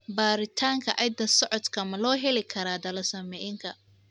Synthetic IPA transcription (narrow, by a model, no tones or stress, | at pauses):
baːɾɪt̪ʰaːŋkʰɐʔɐjd̪ɐsɔʕɔd̪kʰɐmɐlɔːɦɛlɪkʰɐɾaːd̪ɐlɐsɐmɛjɪŋkʰɐ